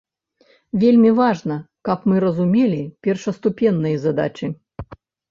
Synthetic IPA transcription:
vʲelʲmʲivaʐnɐ | kɐpmɨɾɐzumʲelʲipʲɛrʂɐst̪upʲɛnːɨjɐzad̪a̰t͡ʃɨ

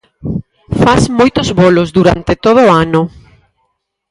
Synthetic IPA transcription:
fasmojt̪ozβolozd̪uɾa̰nt̪et̪oð̞oːano

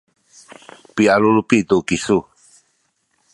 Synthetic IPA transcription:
pialulupit̪ukisu

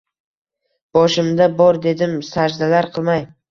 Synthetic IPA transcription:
b̥ɒʃɪmd̪abɒɾd̪e̞d̪ɪmsad͡ʒd̪alaɾqʰɨlˠmaj

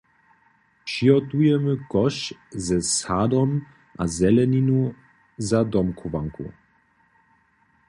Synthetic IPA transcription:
ʃiɔt̪ujɛməkɔʃzɛsad̪ɔm | ʔa̰zɛlɛninu | zad̪ɔmkʰɔva̰ŋkṵ

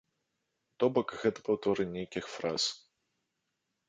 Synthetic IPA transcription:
t̪ɔbɔkɣɛt̪ɐ̥pɐwt̪ɔɾɨnʲejkʲixfɾa̰s

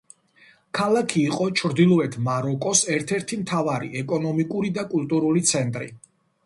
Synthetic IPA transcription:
kʰalˠakʰiːqʼɔt͡ʃʰɾd̪ilˠɔɛt̪ʰmaɾɔkʼɔsɛɾt̪ʰɛɾt̪ʰimt̪ʰavaɾḭʔɛkʼɔnɔmikʼuɾid̪akʼult̪ʼuɾulit̪sʰɛnt̪ʼɾḭ

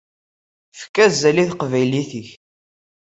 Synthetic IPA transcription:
fə̥kːæzæliθqvæjliθiç

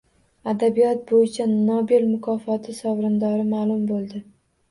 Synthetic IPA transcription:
ad̪abijɒt̪̚bojɪt͡ʃʰanɒbelmʊkʰɒfɒt̪ʰɪsɒwɾɪnd̪ɒɾɪmaːlˠʊmbolˠd̪ɪ

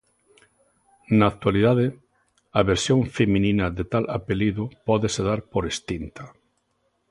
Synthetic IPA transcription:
naːkt̪waliðaðɪ | ɐβeɾsjõŋfemĩnĩnɐðet̪alapeliðʊpɔðeseðaɾpoɾest̪int̪ɐ

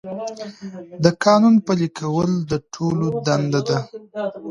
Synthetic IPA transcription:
d̪əkɑnunpəlikʰawəld̪əʈʰolod̪and̪ad̪a

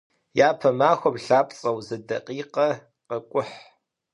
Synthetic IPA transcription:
jaːpʰɐmaːxʷɐbɬaːpʼt͡sʼɐwzɐdɐqʼiːqɐ | qəkʷʼʊħ

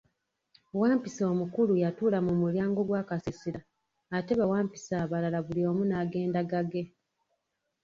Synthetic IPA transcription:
waːmpiso̞ːmukulujatuːlamumuljaːŋɡo̞ɡwaːkasisiɾaː | te̞βawaːmpi̥saːβalalaβulio̞ːmunaːɡe̞ːndaɡaɡe̞

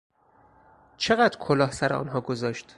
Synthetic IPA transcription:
t͡ʃʰe̞ɣæd̪ɾkʰolɒːhsæɾeɒ̰ːnɦɒːɡozɒːʃt̪

